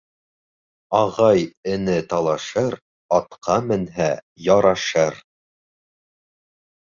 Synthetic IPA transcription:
ɑʁɑjɘ̆nɘt̪ɑlˠɑʃɤɾ | ɑt̪qʰɑmɘ̆nɦæ | jɑɾɑʃɤɾ

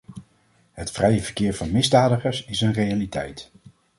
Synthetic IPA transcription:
ɦətfrɛjəvəɹkɪːɹvɑnmɪzdaːdəχəɹsɪsənrejalitɛ̰jt

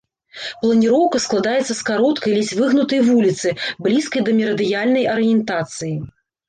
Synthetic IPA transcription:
plˠɐnʲiɾɔwkɐsklˠad̪ajɛt̪sːɐskaɾɔt̪kɐjlʲit͡sʲvɨɣnut̪ɐjvulʲit̪sɨblʲiskɐjd̪ɐmʲɛɾɐd̪ɨjalʲnɐjʔɐɾɨjɛnt̪at̪sɨji

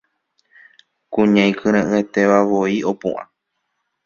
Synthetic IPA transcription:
kũɲãj̃kʰɨ̃ɾ̃ãʔɨ̃et̪e̞ʋaʋo̞io̞pṵ̃ʔã̰

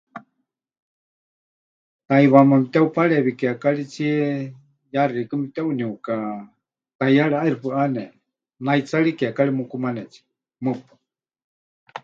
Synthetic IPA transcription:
t̪aiβamɨmit̪ɛupʰaɺɛβikɛakaɺit͡sʰiɛ | jariikɨmit̪ɛuniuka | t̪ajaɺɛaiɾupɨʔanɛ | nait͡saɺikakaɺimukumanɛt͡sʰi̥ | mɨpḁ

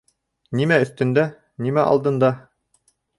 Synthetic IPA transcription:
nimæɵ̆θt̪ɵ̆nd̪æ | nimæʔɑ̰lˠd̪ɤ̆nd̪ɑ

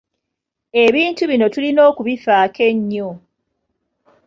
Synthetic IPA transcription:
e̞βiːntuβino̞tulino̞ːkuβifaːke̞ɲːo

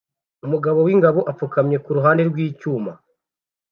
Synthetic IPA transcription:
umuɡaβo̞wiŋɡaβoʔafukamɲe̞kuɾuɦaːnde̞ɾɡwiːcuːma

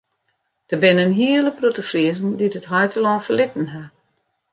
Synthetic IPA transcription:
d̥əbɪnənɦiələprotəfriəzn̩didətɦɔjtəlɔːfəlɪtən̩ɦa

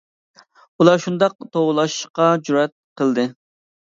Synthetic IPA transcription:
ulˠɑʃund̪ɑq̚t̪ʰowlˠɑʃqɑd͡ʒuɾɛt̪̚qʰəlˠd̪ɨ

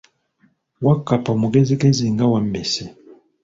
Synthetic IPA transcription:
wakːapamuɡɛzikɛziŋɡawambɛsɛ

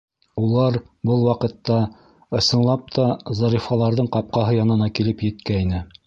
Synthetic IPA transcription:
ulˠɑɾ | bɤlˠwɑqɤ̆t̪ːɑ | ɤ̆sɤ̆nlˠɑp̚t̪ʰɑzɑɾifɑlˠɑɾðɤɴqɑp̚qɑɦɤjɑnɤ̆nɑkilɘpjɘ̆t̪kæinɘ

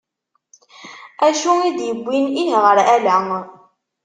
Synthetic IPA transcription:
æʃuid̪jəbʷːininʁəɾælæ

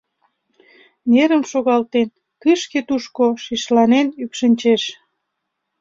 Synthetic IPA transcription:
nʲeɾəmʃoɣɑlt̪en | kɨʃket̪uʃkoʃiʃlɑnenykʃənʲt͡ɕeʃ

